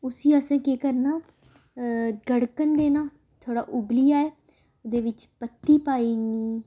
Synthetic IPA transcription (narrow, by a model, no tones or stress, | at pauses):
ʊsiːəsɛ̃ːkeːkəɾnaː | ɡəɽkənd̪eːnaː | t̪ʰoːɽa̰ːʔʊblijaːɛː | d̪eːʋɪt͡ʃpət̪ːiːpaːiːniː